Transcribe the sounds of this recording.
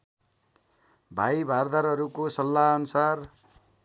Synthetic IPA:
bʱajbʱard̪aɾʌɾukosʌlːaʌnusar

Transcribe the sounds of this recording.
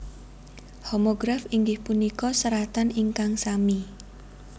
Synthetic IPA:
homoɡɾafiŋɡɪhpunikɔsəɾat̪aniŋkaŋsami

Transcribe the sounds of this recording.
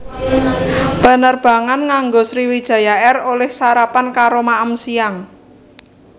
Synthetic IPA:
b̥ə̤nərb̥a̤ŋanŋaŋɡosɾiwid̥ʒ̥a̤jaɛrolɛhsaɾapankaɾomaʔəmsijaŋ

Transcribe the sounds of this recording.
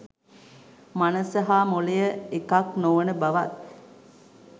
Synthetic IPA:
manəsɐɦaːmolejəekaknoʋənəbaʋat̪̚

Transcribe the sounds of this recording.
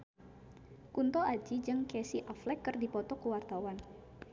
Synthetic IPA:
kunt̪ɔad͡ʒid͡ʒɨŋkɛsiʔaflɛkːərdipɔt̪ɔkəwart̪awan

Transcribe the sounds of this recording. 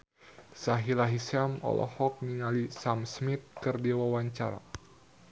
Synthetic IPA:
saɦilaɦisamɔ̰lɔ̰hɔk̚niŋalisamsmit̪̚kɨrdiawawaɲt͡ʃaɾa̰

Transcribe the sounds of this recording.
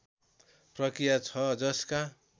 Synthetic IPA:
prʌkrijat͡sʰʌd͡zʌska

